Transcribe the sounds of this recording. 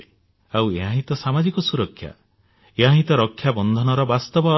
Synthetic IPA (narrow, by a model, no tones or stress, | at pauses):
aweɦãɦit̪ɔsamad͡ʒikɔsuɾɔkʰːja̰ | eɦãɦit̪ɔɾɔkʰːjabɔnd̪ʱɔnɔɾɔbast̪ɔbɔ